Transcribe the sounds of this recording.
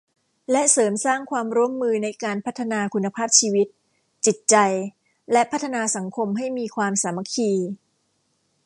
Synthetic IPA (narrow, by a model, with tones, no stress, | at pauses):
lɛ˦˥ʔsɤː˩˦msaː˥˩ŋkʰwaː˧mɾu˥əmːɯː˧na˧jkaː˧npʰa˦˥t̪ʰːa˧naː˧kʰu˧nːa˧pʰaː˥˩p̚t͡ɕʰiː˧wi˦˥t̪̚ | t͡ɕi˨˩t̪̚t͡ɕa˧j | lɛ˦˥pʰa˦˥t̪ʰːa˧naː˧sa˩˦ŋkʰo˧mɦa˥˩jmiː˧kʰwaː˧msaː˩˦ma˧˥kʰiː˧